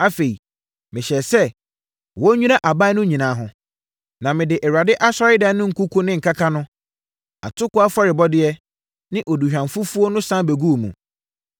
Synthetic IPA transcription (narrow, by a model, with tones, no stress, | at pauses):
a˦fe˨i˨ | mɪ̃˨ɕɛ˨sɛ˦ | wɔ˦ɲᶣũ˦na˦ʔa˨ba˦nʊ̃˦ɲĩ˨nãː˨˦ɦʊ̃˨ | nã˨mɪ̃˨dɪ˨ʔɛ˨ɾa˨dɪ˦ʔa˦sa˦ɾɪ˦da˦nʊ̃˦ŋ̩˨ku˦kʰʊ˦nɪ̃˦ŋ̩˨kʰa˦kʰa˦nʊ̃˦ | a̰˨tʰʊ˦kʊ˦a˦fa˦ɾɪ˨bɔ˦dɪ˦ɛ˦ | nɪ̃˦ʔɔ˨du˨ɕᶣã˨mfu˦fu˦o˦nʊ̃˦sã˦be˨ɡu˦˨mṵ̃˨